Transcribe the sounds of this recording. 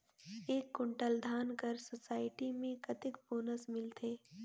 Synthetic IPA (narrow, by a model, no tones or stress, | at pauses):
eːkːʊ̃ɳʈəld̪ʱaːnkəɾsosaːɪʈimẽkɐt̪ɪkboːnəsmɪlt̪ʰeː